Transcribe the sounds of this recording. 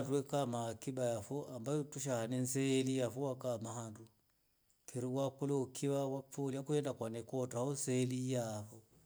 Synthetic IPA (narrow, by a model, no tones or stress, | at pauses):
nduɛkamaːkiɓajafɔʔambautuʃ̬ahanɛnsɛːlijafɔwakamahandu | kʰiɾiwakulɛukʰiβawafuliakuhɛndakwanɛkɔtaɔnsɛːlijafɔ